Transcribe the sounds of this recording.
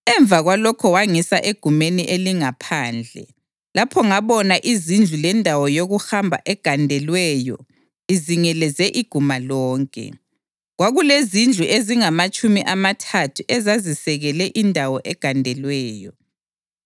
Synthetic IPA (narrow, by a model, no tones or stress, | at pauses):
ɛɱb̪vaɣwalɔkʰɔwaŋisaʔeɡ̥ʱumeniʔeliŋapʰaːnd͡ɮʱɛ̰ | lapʰɔŋaβɔnaʔizind͡ɮʱulɛndʱawɔjoɣuhambʱa̰ʔɛɡ̥ʱandʱɛlwɛːjɔ̰ | iziŋɛlɛzɛʔiɡ̥ʱumalɔːŋkʼɛ̰ | ɣwaɣulezind͡ɮʱuʔeziŋamat͡ʃʼumiʔamatʰatʰuʔɛzazisɛɣɛlɛʔindʱawɔʔɛɡ̥ʱandʱɛlwɛːjɔ